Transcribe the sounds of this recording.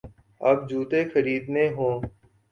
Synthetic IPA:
əb̚d͡ʒuːt̪ekʰəɾiːd̪neːɦõː

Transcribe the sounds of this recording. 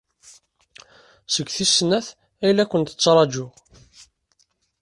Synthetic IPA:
səɡʷθisnæθ | æjlækʷənt̪ə̥t͡sːɾˤɑd͡ʒʊʁ

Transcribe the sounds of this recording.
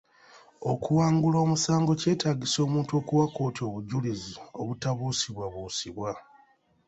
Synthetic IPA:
o̞kuwaːŋɡulo̞ːmusaːŋɡo̞ce̞ːtaːɡiso̞ːmuːntuo̞ːkuwako̞ːtio̞ːβuɟulizio̞̰βutaβuːsiβwaβuːsiβwa

